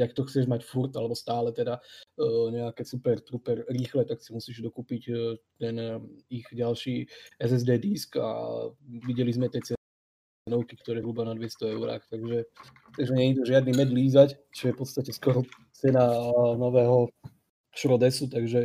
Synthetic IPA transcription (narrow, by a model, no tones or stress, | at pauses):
akt̪ɔxt͡sɛʒmacfuɾt̪alɛbɔst̪aːlɛt̪ɛd̪a | ɲɛakɛsupɛɾt̪ɾupɛɾɾiːxlɛt̪aksimusiːʒd̪ɔkuːpict̪ɛniɣɟalʃiːɛzɛzd̪ɛːd̪iska̰ʋiɟɛlizmɛt̪ɛt͡sɛ | ɛnɔʊkikt̪ɔɾɛɦɾubanad̪ʋjɛst̪ɔɛʊɾa̰ːxt̪aɡʒɛ | t̪aɡʒɛɲɛɲid̪uʒɪad̪nimɛd̪liːzact͡ʃɔjɛfpɔt̪st̪acɛskɔɾɔ | t͡sɛnanɔʋɛːɦɔ | ʃɾɔd̪ɛsut̪aɡʒɛ